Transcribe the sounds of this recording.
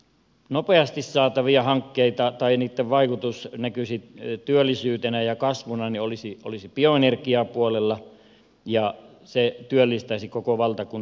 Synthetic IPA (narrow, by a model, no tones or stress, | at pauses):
nopeɑst̪issɑːt̪ɑʋiɑhɑŋkːeit̪ɑt̪ɑiniːt̪ːeʋʋɑikut̪usnækysit̪yølːˑisyːt̪enæjɑkɑsʋonɑniolisio̰lisipioenerkiɑpuolelːɑ | jɑ | set̪yølːist̪ɑsikokoʋɑlt̪ɑkun